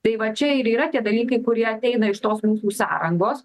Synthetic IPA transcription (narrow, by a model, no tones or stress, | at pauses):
t̪ɐɪʋɐt͡ʃʲɛɪɾiːɾɐt̪ʲiɛd̪ɐlʲiːkɐɪkʊɾʲiɛɐt̪ʲɛɪnɐɪʃt̪oːsmuːsuːsɑ̰ːɾɐŋɡoːs